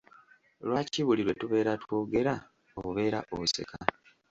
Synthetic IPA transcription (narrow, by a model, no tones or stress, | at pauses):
lwaːciβuliɾwe̞tuβe̞ːɾatwo̞ːɡe̞ɾa | oβuβe̞ːɾaʔoβuse̞̰ka